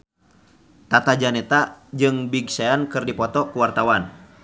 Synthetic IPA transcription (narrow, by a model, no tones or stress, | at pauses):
t̪at̪ad͡ʒanɛt̪ad͡ʒɨŋbiɡsaankɨrdipɔt̪ɔkuwart̪awan